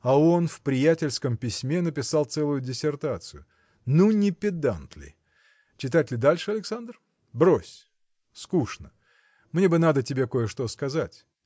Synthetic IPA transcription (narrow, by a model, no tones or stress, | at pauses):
ɐo̞nfpɾʲɪjætʲɪlʲskəmpʲɪsʲmʲenəpʲɪsɑlˠt̪sɛlˠʊjʊdʲɪsʲɪrt̪at̪sɨjʊ | nunʲɪpʲɪd̪ant̪lʲɪ̰ | t͡ɕɪt̪̬atʲlʲɪd̪alʲʂɨɐlʲɪksand̪r | bɾosʲ | skuʂnə | mnʲe̞bɨnad̪ətʲɪbʲe̞ko̞jəʂt̪o̞skɐzatʲ